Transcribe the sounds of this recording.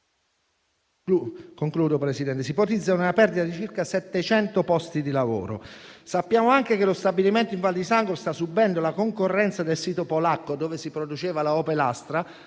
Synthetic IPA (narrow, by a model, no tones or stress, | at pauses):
koŋkluːd̪opɾesid̪ɛnt̪esipot̪id̪zːaununapɛrd̪it̪ad̪it͡ʃirkasɛt̪ːet͡ʃɛnt̪opɔst̪id̪ilavo̰ːɾo̰sapːjaːmoaŋkekelost̪abiliment̪oiɱvald̪isaŋɡolst̪asubɛnd̪olakoŋkorːɛnt̪sad̪elsiːt̪opolakːod̪oːvesipɾod̪ut͡ʃeːvalaɔːpelast̪ɾa